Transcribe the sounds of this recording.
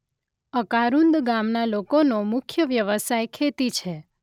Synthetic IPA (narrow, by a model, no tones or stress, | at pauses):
əkaɾund̪ɡamnalokonomʊkʰjəʋjəʋəsajkʰet̪it͡ʃʰe